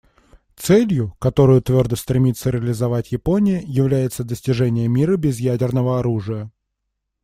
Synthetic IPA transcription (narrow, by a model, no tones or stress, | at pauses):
t̪sɛlʲjʊkɐt̪o̞ɾʊjʊt̪vʲo̞rd̪əst̪ɾʲɪmʲit̪sːəɾʲɪəlʲɪzɐvatʲjɪpo̞nʲɪjəjɪvlʲæjɪt̪səd̪əsʲtʲɪʐɛnʲɪjəmʲiɾəbʲɪzjædʲɪrnəvəɐɾuʐɨjə